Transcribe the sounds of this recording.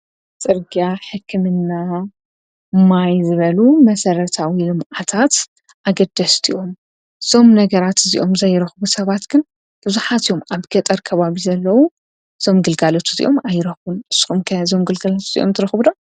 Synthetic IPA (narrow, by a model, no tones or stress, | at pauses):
t͡sʼɨɾɡiaħɨkʰːɨmɨnːa | majzɨβɐlumɐsɐɾɐt̪ʰawilɨmʔat̪ʰat̪ | ʔaɡɐd̪ɐst̪ʰiʔo̞m | ɨz̥o̞mnɐɡɐɾat̪ɨzḭʔo̞mzɐjːɪɾɐxbusɐβat̪ɡ̥ɨn | b̥ɨzuħat̪io̞mʔaβɡ̥ɐt̪ʼɐɾkʰɐβaβizɐlːɐwu | ɨz̥o̞mɡɨlɡalot̪ʰuzḭʔo̞majːɪɾɐxbunɨsːɨ̥xumkʰɐzo̞mɡɨlɡalot̪zḭʔo̞̰mt̪ʰɨɾɐxbudom